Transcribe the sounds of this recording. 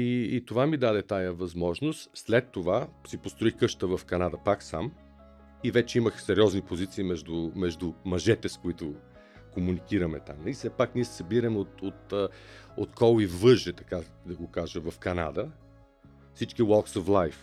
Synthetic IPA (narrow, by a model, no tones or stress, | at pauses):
iːt̪ovamid̪ad̪ɛt̪ajəvɐzmɔʒnost̪slɛt̪ːovasipost̪ɾoixkɤʃt̪əvɐfkɐnad̪əpaksa̰m | ivɛt͡ʃɛiməxsɛɾiɔznipozit̪siːmɛʒd̪ʊmɛʒd̪ʊmɐʒɛt̪ɛskoit̪ʊ | komunikiɾɐmɛt̪a̰misɛpakniɛssɐbiɾɐmot̪ot̪ | ot̪kʰɔlivvɤʒɛt̪ɐ̥ka | d̪ɐɡokaʒəvɐfkɐna̰d̪ə | fsit͡ʃkiwɔlˠksoflˠajf